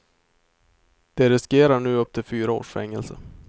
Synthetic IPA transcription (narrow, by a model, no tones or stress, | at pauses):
d̪̥ɛɾɪskeːɾaɳʉ̟ːɵp̚ːt̪ʰɪlfyːɾao̰ːʂfɛŋːɛ̰lsə̰